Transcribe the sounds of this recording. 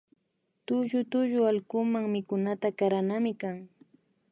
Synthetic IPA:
t̪ʊʒʊt̪ʊʒʊalkʊmaŋmɪkʊnat̪akaɾanamɪkaŋ

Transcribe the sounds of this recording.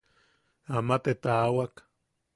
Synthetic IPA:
amat̪et̪awak

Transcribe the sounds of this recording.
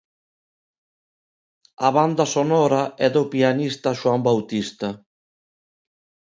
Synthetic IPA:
aβand̪ɐsonɔɾaɛðopianist̪aʃwambawt̪ist̪ɐ

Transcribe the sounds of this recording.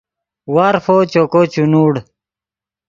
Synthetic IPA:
waːɾfot͡ɕokot͡ɕunuːɽ

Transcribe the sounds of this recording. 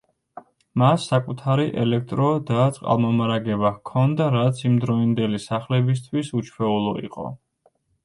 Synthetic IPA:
masːakʼut̪ʰaɾiʔɛlɛk̚ʰt̪ʼɾɔd̪at̪sʼqʼa̰lˠmɔmaɾaɡɛbakʰɔnd̪aɾat̪sʰimd̪ɾɔind̪ɛlisaχlɛbis̬t̪ʰwisut͡ʃʰwɛulˠɔḭqʼɔ̰

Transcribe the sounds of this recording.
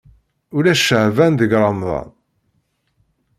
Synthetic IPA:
ulæʃəʕvænðəɡɾˤɑmðˤɑ̰n

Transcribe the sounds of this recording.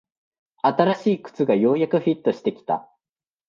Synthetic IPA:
at̪aɾaɕiːkɯ̟̥t͡sɨɡajo̞ːjakɯ̟ɸʲit̪ːo̞ɕi̥t̪e̞kʲi̥t̪a̰

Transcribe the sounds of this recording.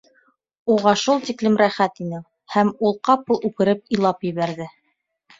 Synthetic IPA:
uʁɑʃulˠt̪iklɘmɾæχæt̪inɘ | hæmulˠqɑpɤlˠʉkɘ̆ɾɘp̚ilˠɑpjɘ̆βæɾðɘ

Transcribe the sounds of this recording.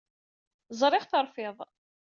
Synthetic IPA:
zˤɾˤɪʁθəɾˤfɪðˤ

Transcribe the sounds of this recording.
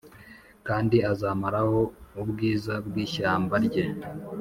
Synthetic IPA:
kaːndiazamaɾaho̞ubɡiːzabɡiːʃaːmbaɾɟe

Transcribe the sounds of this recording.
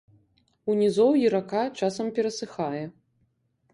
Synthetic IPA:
unʲizɔwjiɾakat͡ʂasɐmpʲɛɾɐsɨxajɛ

